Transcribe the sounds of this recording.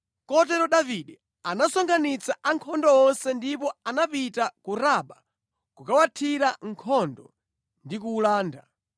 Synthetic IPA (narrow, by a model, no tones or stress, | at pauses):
kɔtɛɾɔɗaviɗɛ | anasɔŋɡanit͡saaŋkʰɔndɔɔnsɛndipɔanapitakuɾaɓa | kukawatʰiɾaŋkʰɔndɔ̰ | ndikuːlaːnda̰